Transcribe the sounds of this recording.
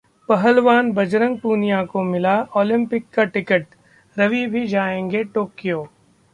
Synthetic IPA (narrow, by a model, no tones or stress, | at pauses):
pɐɦəlʋaːnbɐd͡ʒɾə̃ŋɡ̚puːnijãkomɪlaɔːlɪ̃mpɪkːaʈɪkəʈ | ɾɐʋibʱid͡ʒaːẽːŋɡeʈoːkijoː